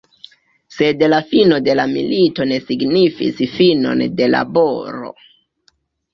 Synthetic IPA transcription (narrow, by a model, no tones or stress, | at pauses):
se̞dlafino̞de̞lamḭlito̞ne̞siɡnifḭsfino̞̰nde̞la̰boɾo̞̰